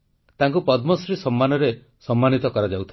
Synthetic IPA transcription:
t̪aŋkupɔd̪mɔsɾisɔmːanɔɾe | sɔmːanit̪ɔkɔɾad͡ʒawt̪ʰ

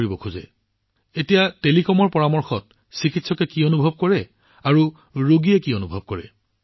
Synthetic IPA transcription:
ibɔkʰuzɛ̰ | etijatelikɔmɔɹpɔɹamɔɹxɔt̚ | sikitsɔkɛkionubʱɔb̚kɔɹɛ | aɹu | ɹoɡijɛkionubʱɔb̚kɔɹɛ

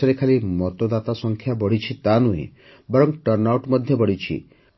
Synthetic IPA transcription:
ɔɾekʰalimɔt̪od̪at̪asɔŋkʰjabɔɽ̤it͡ʃʰit̪anuɦḭ̃ | bɔɾɔmʈɔɾnawʈmɔd̪ʱjɔbɔɽit͡ʃʰḭ

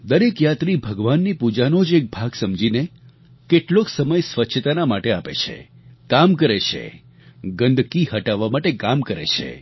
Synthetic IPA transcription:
d̪əɾekjat̪ɾibʱəɡʋanːipud͡ʒanod͡ʒek̚bʱaɡsəmd͡ʒine | keʈloksəməjsʋətːʃʰət̪anamaʈeapḛt͡ʃʰḛ | kamkəɾet͡ʃʰḛ | ɡə̃nd̪ʱkiɦəʈaʋːamaʈekamkəɾḛt͡ʃʰḛ

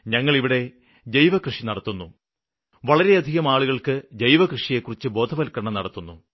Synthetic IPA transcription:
ɲɐŋːɐɭiʋiɽe̞ | dejʋɐkrɨʂinɐɽɐt̪ːunːu | ʋɐɭɐɾe̞ɐd̪ʱiɣɐmaːɭuɣɐɭkɨd͡ʑejʋɐkrɨʂijekːurit͡ɕːɨbo̞ːd̪ʱɐʋɐlkːɐɳɐmnɐɽɐt̪ːunːu

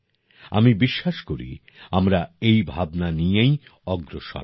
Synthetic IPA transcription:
a̰mibiʃːaʃkoɾḭ | amɾaejbʱabnanijejɔɡɾoʃɔ̰

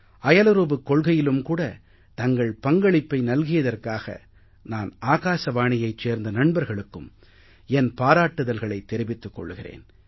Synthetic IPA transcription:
ɐjɐlɐɾuːbɯkːɔɭɣɐjɪlɯmkuːɽɐ | t̪ɐŋɡɐɭpɐŋɡɐɭɪpːɐɪnɐlɣɪjɐðɐrkaːɣɐ̰ | naːnaːɣaːʂɐʋaːɳɪjɐɪt͡ʃeːɾnd̪ɐnɐɳbɐɾɣɐɭɯkːɯm | ɛnpaːɾaːʈːɯðɐlɣɐɭɐɪt̪ːɛɾɪʋɪt̪ːɯkːɔ̰ɭːɯɣɪrḛːn

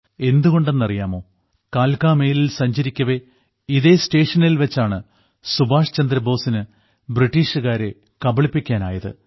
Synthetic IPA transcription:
e̞nd̪uɣo̞ɳɖe̞nːɐrijaːmo̞ː | kaːlkaːme̞ːlilsɐɲd͡ʑɐɾikʲːɐʋe̞ | iðe̞sʈe̞ːʂɐnilʋɐt͡ɕːaːɳɨ | subʱaːʂɐ̥t͡ɕɐnd̪ɾɐbo̞ːsinɨ | briʈːiːʂɨɣaːɾe̞ | kɐbɐɭipːikʲːaːna̰ːjɐðɨ̰

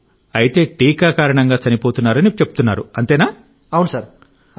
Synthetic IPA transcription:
ɐjit̪e̞ːʈiːkaːkaːɾɐɳɐŋɡaːt͡ʃɐnipoːt̪unːaːɾɐnit͡ʃepu̥t̪unːaːɾuɐnt̪eːnaː | ɐwunusaɾ

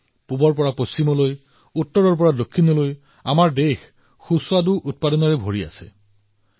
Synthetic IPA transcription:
pubɔɹpɔɹapost͡ɕimɔloj | utːɔɹɔɹp̬ɔɹadokʰːinɔloj | amaɹdex | xusʊaduʔut̚padɔnɔɹɛbʱoɹia̰sɛ̰

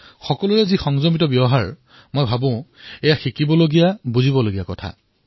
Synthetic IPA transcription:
xɔkɔlujɛzixɔŋzɔmitɔbjɔɦaɹ | mojbʱabʊ̃ʊ̃ejaxikibɔloɡijabuzibɔloɡijakɔtʰa̰

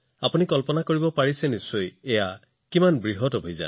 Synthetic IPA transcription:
apunikɔlpɔnakoɹibɔpaɹisɛnisːojeja | kimanbɹiɦɔtɔbʱojza̰n

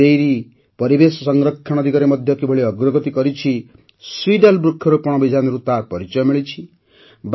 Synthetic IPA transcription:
ejɾi | pɔɾibesɔsɔŋɾɔkʰːañɔd̪ʱikaɾemɔd̪ʱjɔkibʱɔɭiɔɡɾɔɡɔt̪ikɔɾit͡ʃʰi | swiɖalbɾukʰːjɔɾopɔɽ̃ɔbid͡ʒʱanɔɾut̪apɔɾit͡ʃɔjɔmiɭit͡ʃʰi | b

